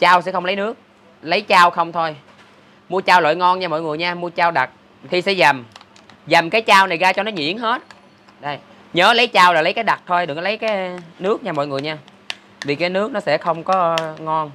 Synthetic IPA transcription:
t͡ɕaː˧wsɛ̰˧˥xə˧wŋ͡mlə˨˦jnɨ˦˥ək̚ | lə˨˦jt͡ɕaː˧wxə˧wŋ͡mt̪ʰo˧j | mu˧ət͡ɕaː˧wlo̰˧˨jŋɔ˧nɲaː˧mɔ̰˧˨jŋɨ˨˩əjɲaː˧mu˧ət͡ɕaː˧wɗa˨˩t̚ | t̪ʰi˨˩sɛ̰˧˥za˨˩m | za˨˩mkaː˨˦jt͡ɕaː˧wna˨˩jɣaː˧t͡ɕɔ˧nɔ˨˦ɲḭ˧˥ənɦe˦˥t̚ | ɗə˧˩j | ɲəː˨˦lə˨˦jt͡ɕaː˧wlaː˨˩lə˨˦jkaː˨˦jɗa˨˩t̚t̪ʰo˧jɗɨ˨˩ək̚lə˨˦jkaː˨˦nɨ˦˥ək̚ɲaː˧mɔ̰˧˨jŋɨ˨˩əjɲaː˧ | vi˨˩kaː˨˦jnɨ˦˥ək̚nɔ˨˦sɛ̰˧˥xə˧wŋ͡mkɔ˨˦ŋɔ˧n

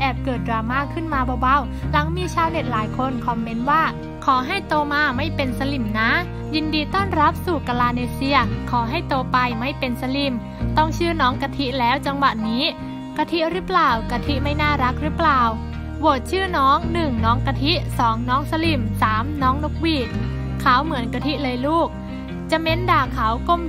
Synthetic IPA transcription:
ʔɛː˨˩p̚kɤː˨˩t̪̚dɾaː˧maː˥˩kʰːɯ˥˩nmaː˧bɔː˧wa˧˩w | la˩˦ŋmiː˧t͡ɕʰaː˧˥˩wne˨˩t̪̚laː˩˦jkʰo˧nkʰɔ˨˩˦mːe˧˥nwaː˥˩ | kʰɔː˩˦ɦa˥˩jt̪oː˧maː˧ma˥˩jpe˧nsa˧li˨˩mna˦˥ | jiː˧ndiː˧t̪ɔː˥˩nɾa˦˥p̚suː˨˩ka˧laː˧neː˧si˧ɐkʰɔː˩˦ɦa˥˩jt̪oː˧pa˧jma˥˩jpe˧nsa˧li˨˩m | t̪ɔ˥˩ŋt͡ɕʰɯː˥˩nɔː˦˥ŋka˧t̪ʰi˦˥ʔlɛː˦˥wt͡ɕa˧ŋwa˨˩ʔniː˦˥ | ka˧t̪ʰi˦˥ʔɾɯ˦˥plaː˨˩wka˧t̪ʰi˦˥ʔma˥˩jnaː˥˩ɾa˦˥k̚ɾɯː˦˥plaː˨˩w | boː˨˩t̪̚t͡ɕʰɯː˥˩nɔː˦˥ŋnɯ˨˩ŋnɔː˦˥ŋka˧t̪ʰi˦˥sɔː˩˦ŋnɔː˦˥ŋsa˧li˨˩msaː˩˦mnɔː˦˥ŋlu˦˥k̚wiː˧˩ | kʰːa˨˩˦wmɯ˩˦ənka˧t̪ʰi˦˥ʔlɤː˧jluː˥˩k̚ | t͡ɕa˨˩me˦˥ndaː˧˩kʰa˩˦wko˧˩m

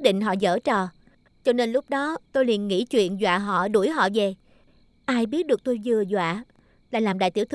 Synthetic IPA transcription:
ɗḭ˧˨ŋ̟ɦɔ̰˧˨zə̰ː˧˩t͡ɕɔ˨˩ | t͡ɕɔ˧ne˧nlʊ˦˥k͡p̚ɗɔ˨˦t̪o˧jli˨˩ənŋḭ˧˥t͡ɕwḭ˧˨ənzwa̰ː˧˨ɦɔ̰˧˨ɗu˧˩əjɦɔ̰˧˨ve˨˩ | ʔaː˧jɓi˦˥ət̚ɗɨ˨˩ək̚t̪o˧jzɨ˨˩əzwa̰ː˧˨ | laː˨˩laː˨˩mɗa̰ː˧˨jt̪i˧˩əwt̪

